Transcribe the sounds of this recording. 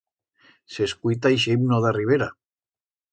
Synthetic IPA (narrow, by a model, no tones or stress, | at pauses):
seskujt̪ajʃemnoðariβ̞eɾa